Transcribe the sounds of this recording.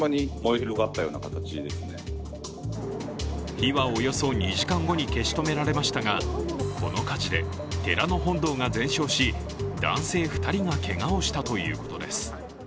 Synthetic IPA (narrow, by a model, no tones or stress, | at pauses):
maɲimoiçiɾo̞ɡat̪ːajo̞̰ːnakat̪at͡ɕid̪e̞sɨne̞ | çiβao̞jo̞so̞ɲ̟iʑikãŋɡo̞ɲ̟ike̞ɕi̥t̪o̞me̞ɾaɾe̞maɕi̥t̪aɡako̞no̞kad͡ʑid̪e̞̰ | t̪e̞ɾano̞ɦõ̞nd̪o̞ːŋazẽ̞ɰ̃ɕo̞ːɕi | d̪ã̰ɰ̃se̞ːɸɯ̟̥t̪aɾʲiŋake̞ŋao̞ɕi̥t̪at̪o̞jɯ̟̰ːko̞̥t̪o̞d̪e̞̰sɨ̥